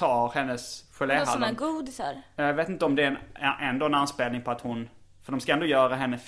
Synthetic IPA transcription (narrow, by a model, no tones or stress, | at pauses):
ɑːɾhɛnːəsɧɛleaɡuːd̪saɾjjaɡveːt̪ɪnt̪əɔmd̪ɛæɾʔɛnd̪oːɛnanspeːlnɪŋpʰɔat̪hʊn | fœɖ̪ɔmskaɛnd̪oːjœːɾaɦɛnːəf